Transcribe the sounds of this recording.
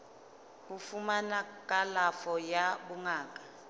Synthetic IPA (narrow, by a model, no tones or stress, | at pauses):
hufumanakʼalafɔjaɓuŋaːkʼa